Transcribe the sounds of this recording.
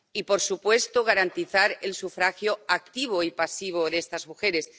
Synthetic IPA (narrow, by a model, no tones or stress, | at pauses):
ipoɾsupwe̞st̪oɣ̞aɾant̪iθaɾelsufɾaxjoak̚t̪iβ̞oipasiβ̞oðest̪azmuxeɾes